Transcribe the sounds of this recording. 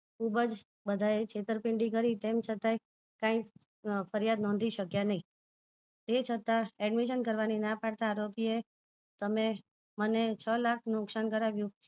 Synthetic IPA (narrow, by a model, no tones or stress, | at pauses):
kʰubəd͡ʒ | bəd̪ʱaet͡ʃʰet̪əɾpɪɳɖikəɾit̪emt͡ʃʰət̪aj | kãĩ | fʰəɾjad̪nɔ̃nd̪ʱiʃəkjanəɦĩ | t̪et͡ʃʰət̪aɛɖmiʃ̬ənkəɾʋaninãpaɽt̪aːɾopie | t̪əme | mənet͡ʃʰəlakʰnũksankəɾaʋjũ